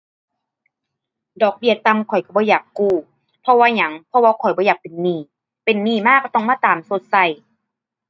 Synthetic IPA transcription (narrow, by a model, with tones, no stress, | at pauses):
dɔː˨˩k̚bi˧˩ət̪a˧˨mkʰɔ˨˩jka˧˩bɔː˧˦jaː˨˩kːuː˧˩ | pʰɔ˧waː˧ɲa˨˦ŋpʰɔ˧waː˧kʰɔ˨˩jbɔː˧˦jaː˨˩k̚pe˨˩nːiː˧˩ | pe˨nːiː˧˨maː˧˥˨kːa˧˩t̪ɔ˧˩ŋmaː˧˥˨t̪aː˨mso˧˦t̪̚sa˧˩j